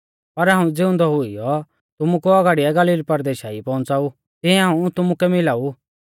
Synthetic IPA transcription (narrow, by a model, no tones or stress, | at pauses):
pɐɾɦãːũd͡zɪʊ̃nd̪ɔɦʊijɔ | t̪ʊmukuɔɡaːɽiɛɡɐliːlpɐɾd̪eːʃaːipɔ̃ːnt͡saːu | t̪ɪɛ̃ɦaːũt̪ʊmukɛmɪlaːu